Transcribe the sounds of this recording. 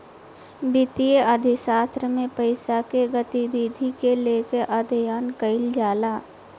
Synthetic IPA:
bɪt̪ijəʔəd̪ʱɪsaːst̪ɾəmẽpəɪsakeɡət̪ibiːd̪ʱikeleːkeʔad̪ʱjaːnkəɪld͡ʒaːlaː

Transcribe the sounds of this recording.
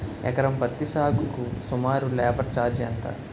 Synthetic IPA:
ɛ̰kɐɾɐmpɐt̪ːiʃaːɡukusumaːɾulɛːbɐɾt͡ʃaːɾd͡ʒiɐnt̪ɐ̰

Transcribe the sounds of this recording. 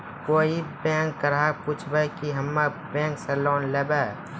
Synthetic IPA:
koːibɛ̃ːŋkːəɾapuːt͡ʃʰbəjkiɦəmːe | bɛ̃ːŋkselɔːnlebe

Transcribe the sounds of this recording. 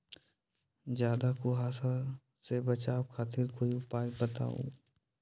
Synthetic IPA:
d͡ʒjaːd̪akoɦaːsa | sebɐt͡ʃaːbkʰaːt̪iɾkoːiʊpaːjbət̪a̰ːo̰ː

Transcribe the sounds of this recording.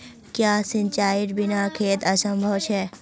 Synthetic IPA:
kjasɪ̃ɲt͡ʃaːɪʈbɪnakʰeːt̪əsə̃mbʱəʋt͡ʃʰe

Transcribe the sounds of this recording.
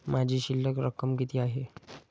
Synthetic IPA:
mad͡ʑʱiːɕilːəkɾəkəmkit̪ʰiaɦe

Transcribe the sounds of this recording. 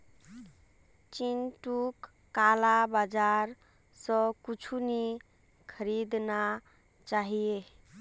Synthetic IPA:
t͡ʃinʈukː | alabad͡ʒaɾ | sə̃kut͡ʃʰuni | kʰəɾid̪na | t͡ʃaɦije

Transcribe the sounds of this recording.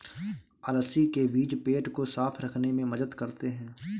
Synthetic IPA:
ələsikebiːd͡ʒpeːʈkosaːpʰɾɐkʰnemẽmɐd̪əd̪kɐɾt̪eɦɛ̃ː

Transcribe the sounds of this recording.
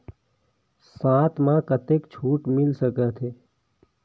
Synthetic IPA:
sãːt̪ʰmãkət̪eːkt͡ʃʰuːʈmɪlsəkət̪ʰeː

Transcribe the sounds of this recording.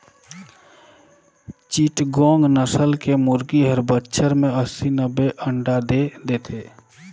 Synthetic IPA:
t͡ʃiːʈɡɔ̃ːŋɡnəsəlkemʊɾɡiɦəɾbətːʃʰəɾmẽəsinəbeʔə̃ɳɖad̪ed̪eːt̪ʰeː

